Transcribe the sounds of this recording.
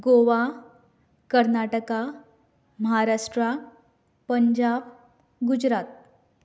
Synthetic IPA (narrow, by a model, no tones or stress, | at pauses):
ɡoʋa | kəɾnaʈəka | məɦaɾaʂʈɾa | pəɲd͡ʑab | ɡud͡ʑɾat̪̚